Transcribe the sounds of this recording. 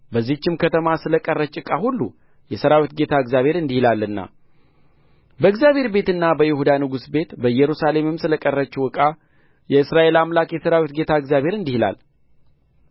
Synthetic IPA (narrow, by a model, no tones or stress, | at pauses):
bəzːit͡ʃːɪmkʰət̪ʰəmasɨləkʼərːət͡ʃʼɨkʼahulːu | jɛsəɾawit̪̚ɡe̞t̪ʰaɨɡzjaβʱe̞ɾɨnd̪ihilalːɨnːa̰ | bəɨkzjaβhe̞ɾbe̞t̪ɨnːabəjɪhud̪anɨɡusbe̞t̪bəɨjɛɾusale̞mɨmsɨləkʼərːət͡ʃːuwɨkʼa | jɛɨsɾaʔe̞lamlakʼjɛsəɾawit̪̚ɡe̞t̪ʰaɨɡzjaβhe̞ɾɨnd̪ihila̰l